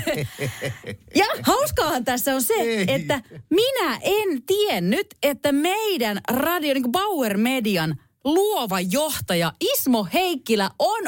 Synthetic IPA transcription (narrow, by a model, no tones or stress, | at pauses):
jɑhɑuskɑːhɑnt̪æsːæonseet̪ːæminæʔent̪ienːyt̪et̪ːæmeidænrɑdioniːŋkobɑwermediɑn | luoʋɑjoht̪ɑjɑismoheikːilæʔon